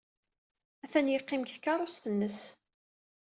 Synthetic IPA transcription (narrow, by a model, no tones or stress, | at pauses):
æθænjəqːɪmçθkɑɾˤosθənːəs